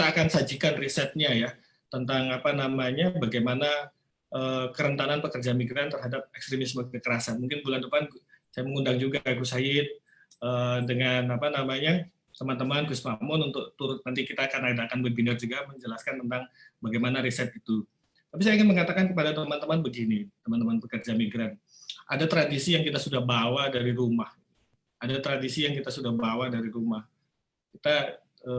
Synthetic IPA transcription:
it̪aːkansad͡ʒikanrisɛt̪̚ɲaja | t̪ənt̪aŋapanamaɲabaɡajmana | ʔəːkəɾənt̪ananpəkərd͡ʒamiɡɾant̪ərɦadap̚ɛkst̪ɾemisməkəkəɾasanmuŋkɪnbulandupansajaməŋundaŋd͡ʒuɡakusajɪt̪̚ | əːdəŋanapanamaɲa | t̪əmant̪əmankusmamʊnunt̪ʊk̚t̪uɾʊt̪̚nant̪̬ikit̪aːkanadaːkanbərbənard͡ʒuɡaməɲd͡ʒəlaskant̪ənt̪aŋbaɡajmanaɾisɛt̪it̪u | t̪apis̬ajaiŋɪnməŋat̪akankəpadat̪əmant̪əmanbəɡinit̪əmant̪əmanbəkərd͡ʒamiɡɾan | ʔadat̪ɾadisijaŋkit̪asudahbawadaɾiɾumahiu | adat̪ɾadisijaŋkit̪asudahbawadaɾiɾumah | kit̪a | ə

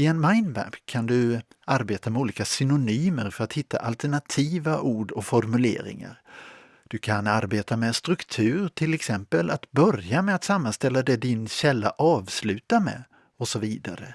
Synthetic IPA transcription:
ɪɛnmaɪnmæ̰pkʰand̪ɵ | aɾbeːt̪amɛuːliːkasʏnʊnyːməɾfœɾat̪hɪt̪ʰːa̰ʔalt̪əɳat̪ʰiːvaʔuːɖɔfɔɾmɵlḛːɾɪ̰ŋa̰ɾ | d̪̥ɵkʰanaɾbeːt̪ʰamɛst̪ɾɵkt̪ʰʉ̟ːɾʈʰɪlɛksɛmpəlat̪bœɾjamɛat̪samːanst̪ɛlːad̪ɛd̪ɪnɕɛlːa̰ʔɑːvslʉ̟ːt̪amɛ̰ | ɔsɔviːd̪a̰ɾə̰

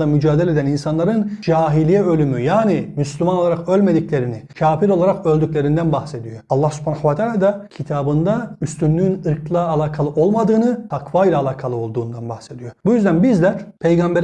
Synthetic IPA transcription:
amyd͡ʒaːd̪elʲed̪æninsanlˠaɾɯnd͡ʒaːɦilʲijɛø̞lʲymyjaːnimyslʲymanoaɾakølʲme̞d̪iclʲe̞ɾinicʰaːfiɾo̞lˠaɾakø̞lʲd̪ycʲlʲe̞ɾind̪ænbaxse̞d̪ijo̞ɑlˠːahsy̥pʰanaxvat̪ʰaːlʲaːd̪acʰit̪ʰaːbɯnd̪ayst̪ʰynlʲyynɯɾkʰlˠaːlʲˠaːkʰalˠɯʔo̞lˠmad̪ɯːnɯt̪ʰakʰvajlʲˠaːlʲˠaːkʰalˠɯo̞lˠd̪uːnd̪anbaxse̞d̪ijo̞bujyzd̪ænbizd̪ɛpʰe̞jɡambɛɾ

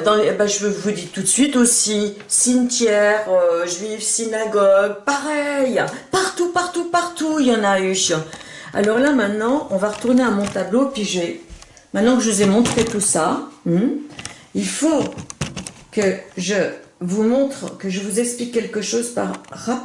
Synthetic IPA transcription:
d̪ɑ̃baʒəvvud̪it̪ut̪əsɥit̪osi | sint̪jɛʁøʒɥivsinaɡɔɡ̚paʁɛjpaʁt̪upaʁt̪upaʁt̪ujɑ̃nayʃa̰lɔʁlamɛ̃t̪nɑ̃ʔɔ̃vaʁət̪uʁneamɔ̃t̪abloepɥiʒɛ | mɛ̃t̪nɑ̃kəʒəuzɛmɔ̃t̪χet̪usa | ilfo | kəʒəvumɔ̃t̪χkəʒəvuzɛksplikʲːɛlkəʃozpa̰ʁʁa

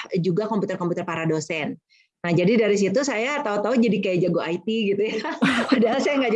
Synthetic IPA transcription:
d͡ʒuɡakɔmput̪ərkɔmput̪ərpaɾadosɛn | nahd͡ʒadidaɾis̬it̪usajat̪aut̪aud͡ʒadikajad͡ʒaɡoait̪iɡit̪ujaudaɦlasajaŋɡad͡ʒ

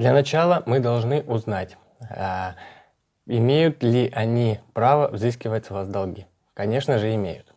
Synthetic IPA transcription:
d̪lʲɐnɐt͡ɕalˠəmɨd̪ɐlˠʐnɨʔʊznatʲ | ɪmʲejʊt̪lʲɪʔɐnʲipɾavəvzɨskʲɪvətʲsvasd̪ɐlˠɡʲi | kɐnʲe̞ʂnəʐɨɪmʲḛjʊt̪

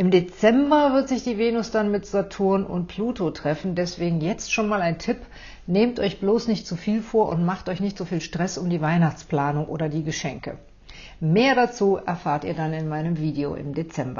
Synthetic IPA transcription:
ʔɪmdet͡sɛmbɐvɪɐtz̥ɪçd̥iːveːnʊsd̥anmɪtz̥atʰʊɐnʔʊ̰ntpʰl̥uːtotʁ̥ɛfn̩dɛsv̥eːɡŋ̩jɛt͡stʃoːnmaːlaɪntʰɪp | neːmtʔɔʏçb̥loːsnɪçtt͡sufiːlfoːɐʔʊ̰ntmaχtʔɔʏçnɪçtz̥oːfiːlʃtʁ̥ɛsʊmdiːvaɪnaχt͡spl̥aːnʊŋʔo̰ːdɐdiːɡəʃɛŋkə | meːɐɾat͡suːʔɛɐfaːɐtiːɐdanɪnmaɪnəmviːdeo̰ʔɪ̰mdet͡sɛmbɐ̰

